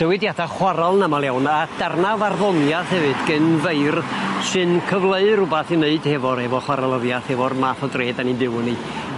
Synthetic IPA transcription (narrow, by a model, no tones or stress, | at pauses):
d̥əwɪdjadaχwaɾalˠnamalˠjawnad̥arnavarðɔnjaθhɛvɨd̥ɡ̥ɨnveɨrsɨnkʰəvlˠəɨrʊbaθineɨd̥hɛvɔɾɛvɔχwaɾalˠəvjaθhɛvɔrmaθɔdreːdanibɪwni